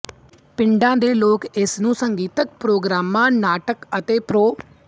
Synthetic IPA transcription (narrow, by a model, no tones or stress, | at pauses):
pɪɳɖãːd̪eːloːkɪsnũːsəŋɡiːt̪ək̚pɾoːɡɾaːmːãːnaːʈəkət̪eːpɾoː